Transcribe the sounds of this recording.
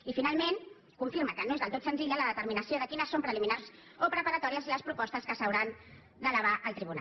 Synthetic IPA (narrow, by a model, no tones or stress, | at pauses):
ifinalˠmen | kuɱfiɾməkənoezðəlˠt̪ot̪sənziʎələðət̪əɾminəsijoðəkinəsːompɾəliminars | opɾəpəɾət̪ɔɾiəziləspɾupɔst̪əskəsəwɾan | d̪ələβ̞aʔəlˠt̪ɾiβuna̰